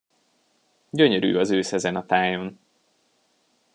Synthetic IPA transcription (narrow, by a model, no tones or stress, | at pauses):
ɟø̞ɲøɾy̰ːɒzøːsɛzɛnɒt̪aːjo̞n